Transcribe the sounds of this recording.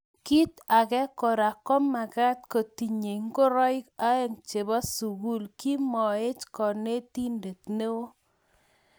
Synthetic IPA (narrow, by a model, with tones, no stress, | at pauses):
ki˦t̪a˨kɛ˦kɔ˨ɾa˨kɔ˦ma˨ka˦t̚ko˨ti˨ɲe˨ŋ˦ko˦ɾɔ˦jka˦e˦˨ŋt͡ʃe˨ba˦su˨ɡu˦lki˦mɔ˨e˦t͡ʃkɔ˨ne˦ti˦nde˨tne˦wo˦